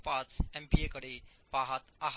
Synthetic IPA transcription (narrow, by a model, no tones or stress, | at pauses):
pãt͡sɛmpiekəɽepaɦat̪aɦ